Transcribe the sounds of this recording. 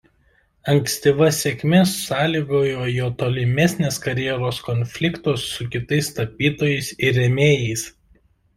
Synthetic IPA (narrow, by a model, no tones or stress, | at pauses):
ɐŋksʲt̪ʲɪʋɐsʲekʲmʲɛsʊsɑːlʲiːɡoːjoːjoːt̪oːlʲɪmʲɛsʲnʲeːskɐɾʲjɛɾoːskɔnʲfʲlʲɪkt̪oːsːʊkʲɪt̪ɐɪst̪ɐpʲiːt̪oːjɛɪsɪɾːʲɛmʲeːjɛɪs